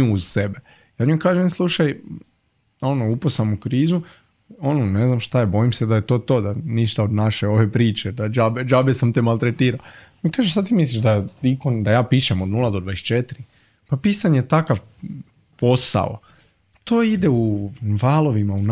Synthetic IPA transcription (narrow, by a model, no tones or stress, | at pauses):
uzsebe | jaːɲukaːʒenslˠuʃaj | o̞nouposamukɾiːzu | onone̞znamʃt̪ajebo̞imsed̪ajet̪o̞ːt̪o̞ːd̪aniʃt̪aod̪naʃeo̞ʋe̞pɾiːt͡ʃed̪ad͡ʒabed͡ʒabesamt̪emalt̪ɾet̪iːɾao | ikaːʒesad̪t̪imisliʒd̪aikond̪ajaːpiʃemo̞d̪nulˠad̪od̪ʋaest͡ʃet̪iɾi | papiːsaɲejt̪akaʋ | po̞sa̰o̰ | t̪oːid̪euʋaːlˠo̞ʋimaun